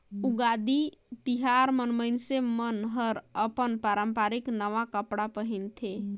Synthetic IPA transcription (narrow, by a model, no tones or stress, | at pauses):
uɡad̪it̪iɦaɾmənmənsemənɦəɾəpənpaɾəmpaɾiknəʋakəpɽapəɦint̪ʰe